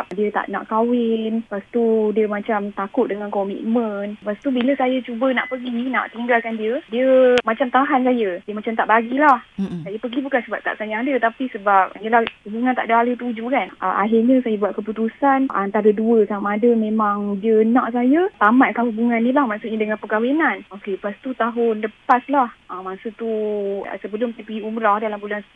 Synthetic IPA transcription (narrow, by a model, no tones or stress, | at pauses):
p̚diət̪a̰ʔnã̰ʔkawɪnpast̪udiəmãt͡ʃamt̪akʊt̪̚dəŋankɔmḭt̪̚mə̃npast̪ubiləsajat͡ʃubəna̰ʔpəɡina̰ʔt̪iŋɡalkandiədiəmãt͡ʃamt̪aɦans̬ajədiəmat͡ʃamt̪aʔbaɡilahsajapəɡibukansəbap̚t̪a̰ʔ̚sajaadət̪apisəbap̚əlahhubuŋant̪a̰ʔdaalət̪̬ud͡ʒukanʔə̰ʔa̰ɦɪrɲəsajabuat̪̚kəput̪usanʔant̪aɾəduəsamaːdəmẽmaŋdiənãʔsajət̪amat̪̚kaɦubuŋanːilahmãʔsut̚ɲədəŋanpəkawenanokepast̪ut̪aɦʊnləpaslahʔamasət̪uə̰səbəlʊmt̪apəɡiumɾahdalambulans